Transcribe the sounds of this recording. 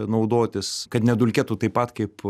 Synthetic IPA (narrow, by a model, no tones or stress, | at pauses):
nɐʊd̪oːt̪ʲɪskɐt̪nʲɛd̪ʊlʲkʲɛt̪ʊt̪ɐɪpːɐt̪kɐɪp